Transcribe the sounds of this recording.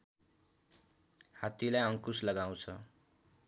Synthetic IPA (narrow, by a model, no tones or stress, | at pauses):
hat̪ilajʌŋkuslʌɡaw̃t͡sʰʌ